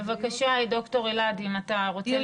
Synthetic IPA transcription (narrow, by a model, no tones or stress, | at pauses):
evakaʃaido̞kto̞ʁeladimataʁot͡se